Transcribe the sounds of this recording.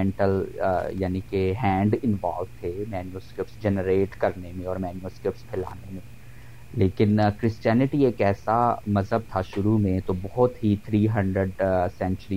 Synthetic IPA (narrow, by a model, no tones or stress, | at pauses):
ɛ̃ɳʈəljaːnikeɦɛ̃ːɳɖɪnʋa̰ːlʋt̪ʰemɛːnjoːskɾɪp̚ʈsd͡ʒɛnəɾeːʈkɐɾnemẽɔːɾmɛːnjoskɾɪp̚ʈspʰɛla̰ːnemẽ | leːkɪnkɾɪsʈɛːnɪʈieːkɛːsamɐzɦəb̚t̪ʰaʃʊɾumẽt̪obɔɦʊt̪ɦit̪ʰɾiːɦɐ̃ɳɖɾəɖsɛ̃nt͡ʃəɾi